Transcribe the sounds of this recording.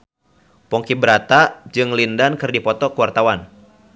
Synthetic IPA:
pɔŋkibəɾat̪ad͡ʒɨŋlindankɨrdipɔt̪ɔkuwart̪awan

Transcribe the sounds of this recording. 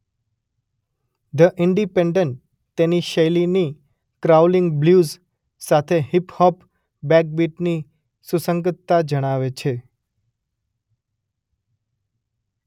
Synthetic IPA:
d̪əʔɪɳɖipẽɳɖəɳʈ | t̪eniʃəjlini | kɾawlɪŋɡbljuz | sat̪ʰeɦiphɔp | bɛk̚biʈni | susəŋɡət̪ːad͡ʒəɽ̃aʋet͡ʃʰe

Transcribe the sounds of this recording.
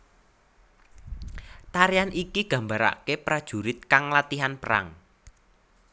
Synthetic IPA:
t̪aɾijanʔikiɡ̥ä̤mbaɾa̰kepɾad̥ʒ̥ṳɾɪt̪̚kaŋlat̪iɦanpəɾa̰ŋ

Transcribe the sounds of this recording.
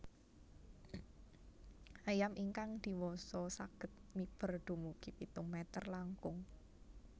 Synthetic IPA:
ʔajamiŋkaŋd̪̥i̤wɔsɔsaɡ̥ə̤t̪̚mib̥ə̤rɖ̪̥ṳmuɡ̥ipit̪ʊŋmɛt̪ərlaŋkʊŋ

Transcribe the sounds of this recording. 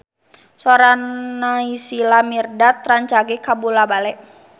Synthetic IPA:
sɔɾanːaisilamirdat̪ɾaɲt͡ʃaɡɛkabulabalɛʔ

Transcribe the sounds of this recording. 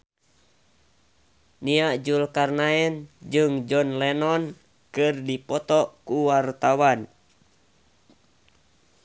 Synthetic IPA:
niaʔd͡ʒulkarnaɛnd͡ʒɨŋd͡ʒɔnlɛnɔn | kɨrdipɔt̪ɔkuwart̪awan

